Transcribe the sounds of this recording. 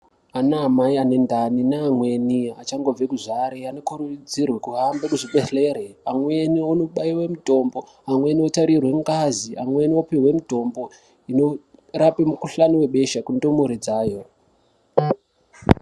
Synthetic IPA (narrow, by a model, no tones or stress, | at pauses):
anaːmaiane̞ndaninaːmwe̞niat͡ʃaŋɡo̞b͡ve̞kuʐaɾeanokurud͡zirwekuɦambekuʐiɓeɬe̞ɾeamwe̞niono̞ɓaiwe̞muto̞mbo̞ | amweniotaɾirwe̞ŋɡaziʔa̰mwe̞niopewe̞muto̞mbo̞ | ino̞rapemukuɬaniwe̞ɓe̞ʃakundo̞moɾed͡zaːjo̞